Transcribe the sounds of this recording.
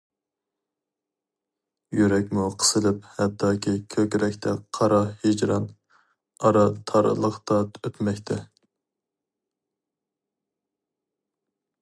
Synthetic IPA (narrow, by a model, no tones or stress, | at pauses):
jyɾɛkʲmuqʰə̥sɨlɨphɛd̪ːɑːkʲʰikʲʰøkʲɾɛkʲt̪ʰɛqʰɑɾɑhed͡ʒɾɑn | ɑɾɑt̪ʰɑɾɨ̰lˠəqt̪ʰɑt̪øpmɛkʲt̪ʰɛ